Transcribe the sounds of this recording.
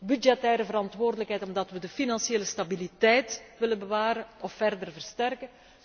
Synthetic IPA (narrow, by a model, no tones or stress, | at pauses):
bydd͡ʒɛtɛːɾəvəɾɑntʋoːrdələkɦɛjtɔmdɑtʋədəfinɑnsjeːləstabilitɛjtʋɪlənbəʋaːɾəɔfːɛrdərvərstɛrkə